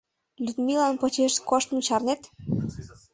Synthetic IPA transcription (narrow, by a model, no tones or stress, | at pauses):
lʲyd̪milɑnpot͡ɕeʃkoʃt̪mut͡ɕɑrnet̪